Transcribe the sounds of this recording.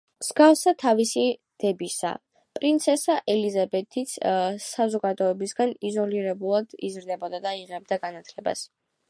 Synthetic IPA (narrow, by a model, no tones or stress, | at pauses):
mz̥ɡafsat̪ʰavisid̪̥ɛbisa̰ | pʼɾint̪sʰɛsaʔɛlizabɛt̪ʰit̪ssazɔɡad̪ɔɛbisɡanizɔliɾɛbulˠad̪̥ḭzɾd̪ɛbɔd̪ad̪aiʁɛb̚d̪aɡanat̪ʰlɛba̰s